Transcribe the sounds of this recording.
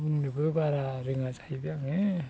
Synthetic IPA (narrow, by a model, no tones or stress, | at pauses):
buŋnibɯbaɾaɾɯŋazajbjaŋe